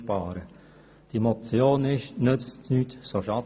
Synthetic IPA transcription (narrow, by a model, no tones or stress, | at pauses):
pɑːɾə | d̥imɔt͡sjoːnɪʃnʏt͡stnyːtsoʃɑ